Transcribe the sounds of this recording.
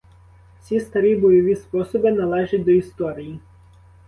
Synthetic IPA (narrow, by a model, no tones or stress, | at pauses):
sʲist̪ɐɾʲibɔjɔʋʲispɔsɔbɪnɐlˠɛʒɐtʲd̪ɔist̪ɔɾʲiji